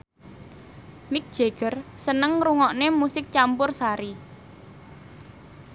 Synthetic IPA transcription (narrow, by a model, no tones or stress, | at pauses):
mɪk̚d̥ʒ̥e̤ɡ̥ərsənəŋruŋɔʔnemusɪk̚t͡ʃampʊrsaɾi